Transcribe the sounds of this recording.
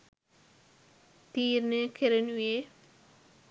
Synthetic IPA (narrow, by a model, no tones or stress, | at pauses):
t̪iːɾnekʰeɾenuje